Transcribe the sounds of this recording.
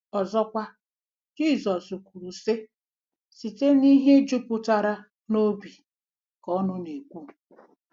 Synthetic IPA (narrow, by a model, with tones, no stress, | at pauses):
ɔ˨zɔ˦kʷa˦ | d͡ʒi˦˨zɔ˨su˨ku˨ɾu˨se˦ | si˨te˦ni˦ɦe˦d͡ʒu˦pʊ˨ta˨ɾa˦ | no˦bi˨ | kɔ˦nʊ˦ne˨kʷu˦